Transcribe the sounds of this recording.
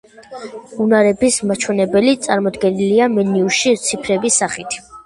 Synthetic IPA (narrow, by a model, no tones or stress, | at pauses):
unaɾɛbismat͡ʃʰwɛnɛbɛlit̪sʼaɾmɔd̪ɡɛniliamɛniuʃit̪sʰipʰɾɛbisaχit̪ʰ